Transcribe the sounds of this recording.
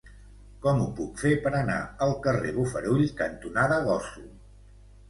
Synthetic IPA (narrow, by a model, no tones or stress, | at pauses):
kɔmupukfepəɾəna̰əlˠkəreβufəɾuʎkənt̪unaðəðɔsu